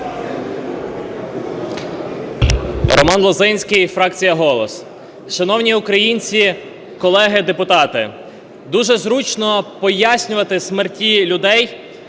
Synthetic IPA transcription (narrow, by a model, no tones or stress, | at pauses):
ɾɔ̰mɑnlˠɔzɪnʲsʲkɪjfɾɑkt͡sʲijɐɦɔlˠɔs | ʃɐnɔwnʲiukɾɐjinʲt͡sʲi | kɔlˠɛɦɪd̪epʊt̪ɑt̪ɪ | d̪uʒɛzɾut͡ʃnɔpɔjasʲnʲʊʋɐt̪ɪsmertʲilʲʊd̪ɛj